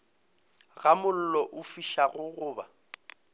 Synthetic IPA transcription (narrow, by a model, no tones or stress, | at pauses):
ɣamʊl̩lɔʔʊfiʃaɣʊɣʊːba